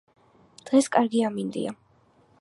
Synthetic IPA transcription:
d̪̥ʁɛskʼaɾɡiamind̪ḭa

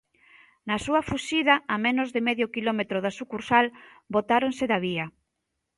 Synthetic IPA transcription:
nɐsuɐfuʃiðɐːmenozðɪmɛðjokilɔmet̪ɾoðasukuɾsal | bot̪aɾonsɪðɐβiɐ

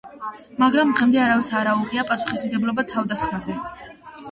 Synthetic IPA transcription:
maɡɾamd̪ʁɛmd̪ɛaɾavɛt̪sʰaɾauʁiapʼasu̥χismɡɛblɔbat̪ʰavd̪asχmazɛ

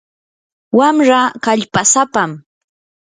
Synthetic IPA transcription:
wamɾakaʎpasapam

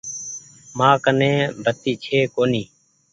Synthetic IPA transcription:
maːkənẽːbʱət̪iːt͡ʃʰeːkoːniː

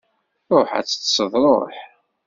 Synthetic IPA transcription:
oħæ̰t͡sːə̥t̪səðˤɾˤo̰ħ

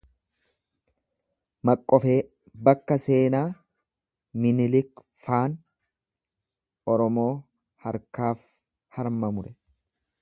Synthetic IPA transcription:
mɐkʼːɔfe̞ː | bɐkːɐse̞ːnaː | mɪnɪlɪk | faːn | ɔɾɔmo̞ː | hɐɾkaːf | hɐɾmɐmʊɾɛ

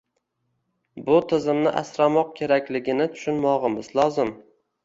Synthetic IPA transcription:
bʊt̪ʰɪzɪmnɪʔa̰sɾamɒq̚kʲʰe̞ɾakʲlɪɡʲɪnɪt̪ʰʊ̥ʃʊnmɒʁɨmɪzlˠɒzɪm

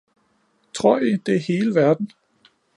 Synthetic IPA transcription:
t͡sʰʁo̝ɐ̰jid̥e̝æɐhe̝ːləʋæɐd̥n̩

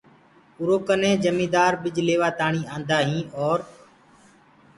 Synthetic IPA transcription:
ʊɾoːkənẽːd͡ʒəmĩːd̪aːɾbɪd͡ʒleːʋaːt̪aːɳiːãːnd̪aːɦĩːʔɔːɾ

